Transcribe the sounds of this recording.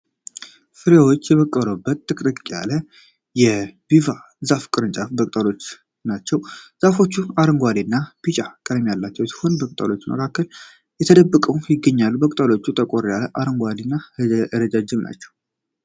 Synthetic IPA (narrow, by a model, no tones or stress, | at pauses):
fɨɾjawo̞t͡ʃːjɛβəkʼːəɾobːət̪ːɨkʼɾɨkʼja̰lə | jɛbiva | zafkʼɨɾɨnt͡ʃʼafbəkʼt̪ʼəlo̞t͡ʃː | nat͡ʃːɛwz̥afo̞t͡ʃːuaɾɨŋɡʷad̪inːabit͡ʃʼakʼəd̪mjalːat͡ʃːɛwsi̥ho̞nbəkʼt̪ʼa̰lo̞t͡ʃːmʔə̰kʰakːəl | jɛt̪ʰəd̪əbːəkʼəwjɪɡːəɲːalːubəkʼt̪ʼalo̞t͡ʃːut̪ʰʼəkʼoɾjaləʔaɾəŋɡʷad̪inːahɨzəʔɨɾəd͡ʒad͡ʒːɪmna̰t͡ʃːɛw